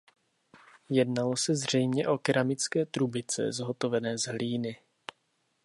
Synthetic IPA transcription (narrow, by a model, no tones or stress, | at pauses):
jɛdnalo̞sɛzr̝ɛjmɲɛʔokɪɾamɪt͡skɛːt̪ɾubɪt͡sɛ̰zɦo̞t̪o̞vɛnɛːzɦliːnɪ